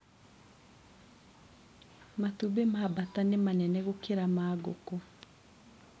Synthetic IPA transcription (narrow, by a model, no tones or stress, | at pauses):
matubemabatanemanɛnɛɣokeɾamaːɡoko